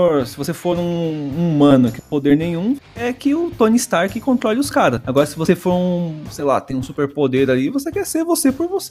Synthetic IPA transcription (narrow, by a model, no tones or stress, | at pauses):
oɾsɪvosefoɾũumɐ̃nʊkɪpod̪eɾnẽj̃ũɛkɪʊt̪õnist̪aɾkɪkõnt̪ɾɔlɪʊskaɾɐaɡɔɾɐsɪvosefoɾũsejla̰t̪ẽj̃ũsupeɾpod̪eɾalivosekɛseɾvosepoɾvose